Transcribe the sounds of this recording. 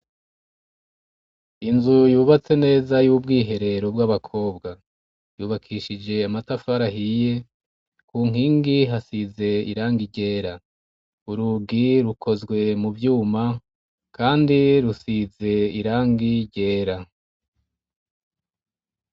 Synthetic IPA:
inzujuːβat͡se̞ne̞ːzajuːbɡiːɦe̞ɾe̞ɾo̞b̚ɡaβakʰo̞ːbɡa | juːβakʰiːʃid͡ʒe̞amatafaɾaɦije | kuːŋ̥iːŋɡiɦasize̞ḭɾaːŋɡiɟe̞ːɾa | uɾuɡiɾukʰo̞zɡwe̞muvjuːma | kaːndiɾusize̞iɾaːŋɡiɟe̞ːɾa

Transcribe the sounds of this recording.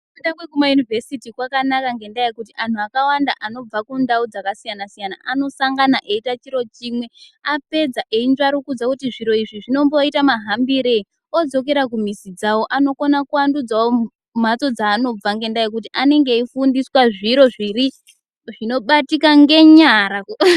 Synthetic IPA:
endaŋwekumajunivesitikwakanakaŋɡe̞ndaekut̬iʔan̤uakawandaʔano̞b͡vakundaud͡zakasijanasijana̰ʔano̞saŋɡanaʔe̞itat͡ʃiɾo̞t͡ʃimwe̞ape̞d͡zaʔeinʐaɾukud͡zakutiʐiɾo̞iʐiʐino̞mboitamaɦambiɾe̞ | o̞d͡zo̞k̬e̞ɾak̬um̤isid͡zawo̞ʔano̞konakuandud͡zawo | m̤at͡so̞d͡zaːno̞b͡vaŋɡe̞ndaek̬ut̬iʔane̞ŋɡe̞ifundiswaʐiɾo̞ʐiɾi | ʐino̞ɓatikaŋɡe̞ɲaɾak

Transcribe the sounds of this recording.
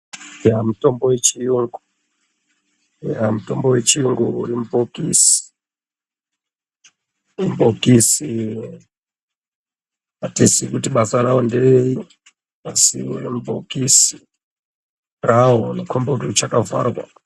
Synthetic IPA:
jamuto̞mbo̞wet͡ʃijuŋɡu | jamuto̞mbowe̞t͡ʃijuŋɡuṵɾimubʱokisi̥ | bʱokisi | atisikutiɓasaɾawondei | asiṵrimubʱokisi̥ | rawonekʰomborut͡ʃakava̰ːrwa̰

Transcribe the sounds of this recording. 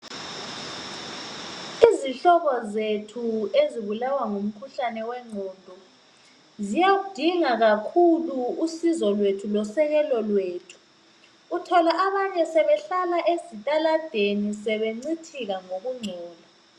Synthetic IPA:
iziɬɔβɔzetʰueziβulawaŋum̩kʰuɬanɛwɛŋ͡ǀʱoːd̥ʱɔ | zijaɣud̥ʱiŋaɣakʰuluːsizɔlwetʰulɔsɛɣɛlɔlweːtʰu̥ː | tʰɔlaʔaβaɲɛsɛβɛɬalaʔesitʼalad̥ʱenisɛβeŋ͡ǀitʰiɣaŋoɣuŋ͡ǀʱɛːla

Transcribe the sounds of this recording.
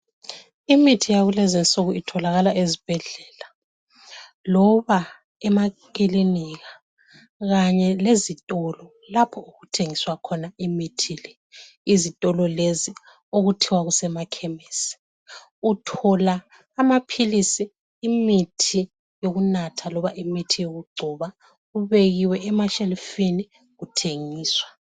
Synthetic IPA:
imitʰijaɣulɛzɛnt͡sʼuɣuitʰɔlaɣalaʔezib̥ʱɛɮɛːla | lɔβa | ɛmakiliniɣa | ɣaɲɛlezitʼɔlɔ | lapʰɔuɣutʰeŋiswakʰɔnaimitʰilɛ | izitʼɔlɔlezi | oɣutʰiwaɣusɛmakʰɛmesi̥ | utʰɔlaː | mapʰilisiː | mitʰi | joɣunatʰalɔβaʔimitʰijoɣuɡ͡ǀʱuːβa | uβeɣiwɛːmaʃɛlfini | ɣutʰeŋiːswa

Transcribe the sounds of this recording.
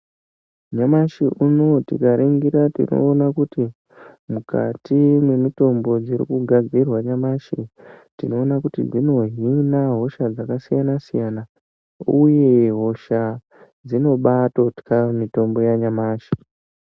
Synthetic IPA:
ɲamaʃiʔuno̞tikaɾeŋɡiɾatḭno̞̰ːnakuti | muka̰tʰimwe̞mito̞mbo̞d͡ziɾḭkuɡʱad͡zirwaɲamaʃitino̞ːnakutḭd͡zino̞ɦinaɦo̞ʃad͡zakasijanasijana | uje̞ɦo̞ʃa | d͡zino̞ɓatotkamito̞mbo̞jaɲamaːʃi̥

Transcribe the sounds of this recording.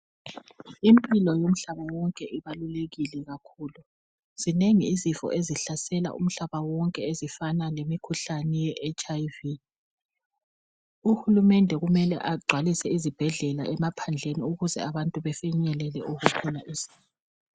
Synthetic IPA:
impʼilɔjom̩ɬaβawɔŋkʼɛʔiβaluleɣilɛɣakʰuːlu | z̥ineŋiːzifɔ̰ʔeziɬasɛla̰ʔṵm̩ɬaβawɔŋkʼɛezifanalemikʰuɬanɛjɛʔɛt͡ʃʼaivi | uxulumɛndʱɛɣumɛlɛ̰ʔaɡ͡ǀʱwalisɛizib̥ʱɛɮɛla̰ʔɛmapʰand͡ɮʱeniuɣuzɛ̰aβantʼuβɛfɛɲɛlɛlɛʔuɣukʰɔnaʔiz̥iː | ɔ

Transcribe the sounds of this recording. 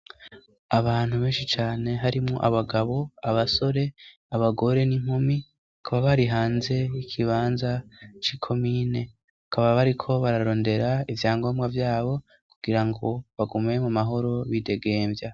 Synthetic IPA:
aβaːn̥huβe̞ːnʃit͡ʃaːne̞ɦaɾimŋo̰ʔaβaɡaβo̞aβaso̞ɾe̞ | aβaɡo̞ɾe̞niŋ̥umi | akʰaβaβaɾiɦaːnze̞ikʰiβaːnzat͡ʃiːkʰo̞miːne̞ | akaβaβaɾikʰo̞βaɾaɾo̞ːnde̞ɾaivjaːŋɡo̞ːmɡavjaːβo̞ | kuɡ̥iɾaŋɡo̞βaɡume̞mumaɦo̞ɾo̞βide̞ɡe̞ːmvja

